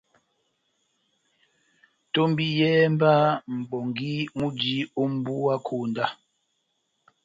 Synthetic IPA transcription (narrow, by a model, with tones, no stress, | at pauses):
to˦mbi˦jɛː˦mba˦m̩˨bɔ˨ŋɡi˦mu˦d͡ʒi˦u˦m˦bu˦a˦kʰuː˨nda˦